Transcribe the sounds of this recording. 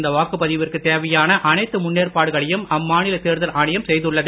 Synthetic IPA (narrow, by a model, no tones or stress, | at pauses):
nd̪ɐʋaːkɯpɐðɪʋɪrkɯt̪eːʋɐjaːnɐʔɐnɐɪt̪ːɯmʊnːeːrpaːɽɯɣɐɭɐjɯmɐmːaːnɪlɐt̪eːɾðɐlʔaːɳɪjɐmsɛjðɯɭːɐðɯ